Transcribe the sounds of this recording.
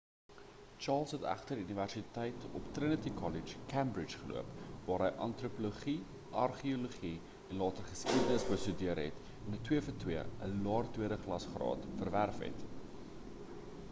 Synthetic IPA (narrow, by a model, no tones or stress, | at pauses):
t͡ʃɑːlˠsɦətæ̰χtərdiyniværsitəjtɔ̰ptrənətikʰɔlid͡ʒkʰæmbrit͡ʃχəlṵəpvɑːɾɦəjʔɐntrupoluχi | ʔɐrχioloχi | ɛnlɑːtərχəskidənəsbəstydiərɦɛ̰t | ɛnətwiəfətwiəə̰lɑːrtwiəɾəχlɐsχrɑ̰ːtfərværfɦɛ̰t